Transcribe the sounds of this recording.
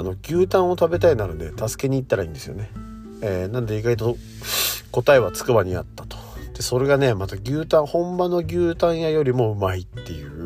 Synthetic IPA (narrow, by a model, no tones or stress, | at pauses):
ano̞ɡʲɨːt̪ãɰ̃o̞t̪abe̞t̪ainaɾɯd̪e̞t̪asɨ̥ke̞ɲ̟iːt̪ːaɾaĩnd̪esɨjo̞̰ne̞ | eːnanod̪e̞iɡait̪o̞ | ko̞t̪ae̞βat͡sɨ̥kɯ̟baɲ̟ia̰t̪ːḁt̪o̥d̪̥e̞so̞ɾe̞ɡane̞mat̪aɡʲɨːt̪ãɰ̃hõ̞mbano̞ɡʲɨːt̪ãɰ̃jajo̞ɾʲimo̞ɯ̟mait̪ːe̞jɯ̟ː